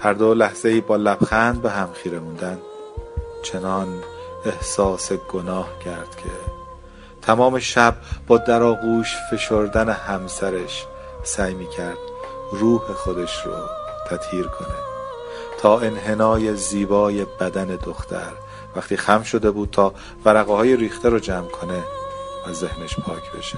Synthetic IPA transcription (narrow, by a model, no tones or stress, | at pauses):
hæɾd̪olæhz̥e̞iːbɒːlæbxænd̪̚beɦæmxiːɾe̞muːnd̪ænd̪ | t͡ʃʰe̞nɒne̞hsɒːse̞ɡonɒːhcʰæɾd̪̥cʰe̞ | t̪ʰæmɒːme̞ʃæb̚bɒːd̪æɾɒːɣuːʃfe̞ʃoɾd̪æne̞hæmsæɾeʃ | sæːjmiːcʰæɾd̪̥̚ | ruːhe̞xo̞d̪e̞ʃɾo̰t̪ʰæt̪hiːɾkʰo̞̰ne̞̰ | t̪ʰɒːe̞nɦe̞nɒːje̞ziːbɒːje̞bæd̪æne̞d̪oxt̪ʰæ̰ɾ | væxt̪ʰiːxæmʃo̞d̪e̞buːd̪̥̚t̪ʰɒː | væɾæɣehɒːje̞ɾiːxt̪eɾod͡ʒæmkʰo̞ne̞væze̞hneʃpʰɒːcʰb̥e̞̰ʃe̥